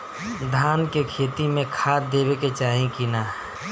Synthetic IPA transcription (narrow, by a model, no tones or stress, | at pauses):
d̪ʱaːnkekʰeːt̪imẽkʰaːd̪eːbeket͡ʃaːɦĩkinaːɦ